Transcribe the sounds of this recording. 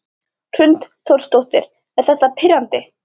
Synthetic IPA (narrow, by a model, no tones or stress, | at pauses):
tʰɾʏnt̪t̪ʰowɾ̥st̪owht̪ɪɾ̥ | ɛɾ̥θɛht̪ːapʰɪɾant̪ɪ